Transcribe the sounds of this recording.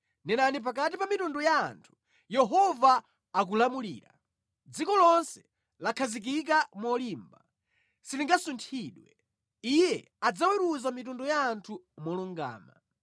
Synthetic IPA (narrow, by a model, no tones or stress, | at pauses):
nɛnanip̬ak̬atipamitunduja̰ːntʰu̥ | jɛɦɔvaː | k̬ulamulḭːɾa̰ | d͡zikɔlɔnsɛ̥ | lakʰazik̬ik̬amɔliːmba | siliŋɡasuntʰiːɗwɛ | ijɛ | ad͡zawiɾuzamitundujaːntʰumɔluŋɡa̰ːma̰